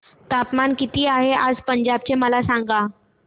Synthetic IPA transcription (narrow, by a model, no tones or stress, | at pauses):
t̪apmankit̪iːaɦead͡zpəɲd͡ʑabt͡ɕeməlasãŋɡa